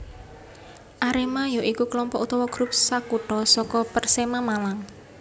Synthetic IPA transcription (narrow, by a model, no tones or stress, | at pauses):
ʔaɾemajoʔikukəlɔmpɔʔut̪ɔwɔɡ̥ɾup̚sakuʈɔsɔkɔpərsemamalaŋ